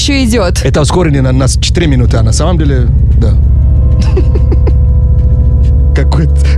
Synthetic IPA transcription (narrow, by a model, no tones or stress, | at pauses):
ʃɔidʲɔt̪ɛt̪askɔɾininanast͡ʃɛ̥t̪iɾiminut̪anasamamdelɛ | d̪a | kakot̪